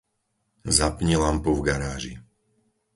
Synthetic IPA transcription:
zapɲilampuvɡaɾaːʒi

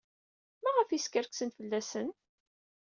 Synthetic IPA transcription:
mæʁəfiskəɾksənfəlːæsən

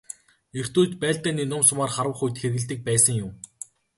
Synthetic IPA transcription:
er̥t̪uːt̪pæːɮt̪æːniːnʊmsʊmaːrχaɾə̆χujt̪xerɣɘ̆ɮt̪ɘ̆k̚pæːsə̆ŋjʊm

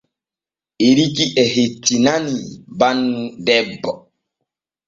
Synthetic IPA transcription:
eɾikiʔɛɦetːinanibanːudɛbɔ

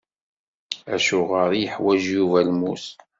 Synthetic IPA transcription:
æʃʊʁəɾijəħwæʒjuvælmus

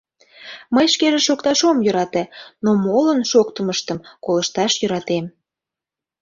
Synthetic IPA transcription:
məjʃkeʒeʃokt̪ɑʃomjøɾɑt̪enomolənʃok̚t̪əməʃt̪əmkoləʃt̪ɑʃjøɾɑt̪em

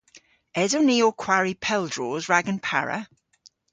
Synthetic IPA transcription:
ɛzəwniːɔkʰw̥aɹipʰɛlˠdɹɔːzɹaɡə̃npʰa̰ɹə̰

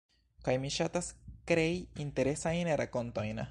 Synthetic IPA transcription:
kajmiʃataskɾeiinte̞ɾe̞sajnɾako̞ntojna

